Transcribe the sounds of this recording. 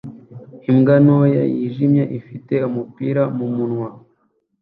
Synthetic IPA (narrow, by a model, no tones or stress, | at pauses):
imɡanoja̰jiʒimɲeʔifite̞umupiːɾamumunŋwa